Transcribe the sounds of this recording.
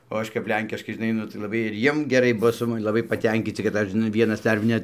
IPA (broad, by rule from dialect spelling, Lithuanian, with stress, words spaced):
oː ˈɐʃ kɐp ˈlʲɛŋʲkʲɪʃkɐɪ ʒʲɪˈnɐɪ nʊ tɐɪ lˠɐˈbɐɪ ɪr ˈjiɛm ɡʲɛˈrɐɪ ˈbʊʋoː sʊ mɐˈnʲɪm lˠɐˈbɐɪ pɐˈtʲɛŋʲkʲiːt͡sʲɪ kɐt ˈɐʃ ʒʲɪˈnɐɪ ˈʋʲiɛnɐs ˈdɐr nʲɛt